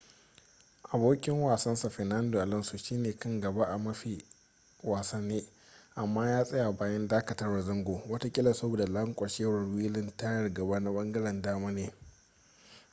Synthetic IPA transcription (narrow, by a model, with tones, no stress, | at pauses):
ʔa˨boː˦kʲʼɪ˦ŋwaː˨sɐ˦nsa˨ɸɛ˨na˦ndo˨ʔa˨lɐ˦nsu˨ʃiː˦neː˨kɐ˦ŋɡɐ˨ba˦ʔa˨mɐ˦ɸi˨ | waː˨sa˦nːeː˦ | ʔa˨mːaː˦jaː˦sʼɐ˦ja˨baː˦jɐ˦ndaː˦kɐ˨tɐ˦rwɐ˨zɐ˦ŋɡʷoː˨wɐ˦ta˦kʲʼɪ˦lɐ˨sɐ˦boː˨da˨lɐ˦ŋkʷʼɐ˨ʃeː˦ɾɐ˨rwiː˦lɪ˦nta˦jɐ˨rɡɐ˨baː˦na˦ɓɐ˦ŋɡɐ˦ɽɛ˨ndaː˦maː˦neː˨